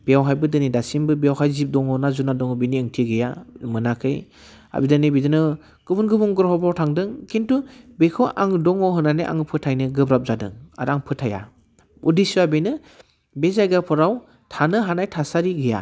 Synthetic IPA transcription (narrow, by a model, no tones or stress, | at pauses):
b̥ejawɦajbɯdɯnidasinbɯbejawɦajzip̚dɔŋɔnazunadɔŋɔbeniɯŋtʰiɡɯjamɯnakʰɯj | a̰bidɯnibidɯnɯ | ɡ̥ɯbunɡɯbuŋɡɯɾɦɔbawtʰaŋdɯŋkʰintubekʰɯʔaŋdɔŋɔɦɯnaneʔa̰ŋpʰɯtʰajnɯɡɯbɾap̚zadɯ̰ŋa̰ɾaŋpʰɯtʰaja̰ | udisuabenɯ | bezajɡapʰɔɾaw | tʰanɯɦanajtʰasaɾiɡɯja̰